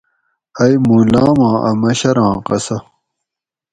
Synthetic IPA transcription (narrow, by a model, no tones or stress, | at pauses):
ɐjmuːlaːmãːʔɐmɐɕɐɾãːqɐsɐ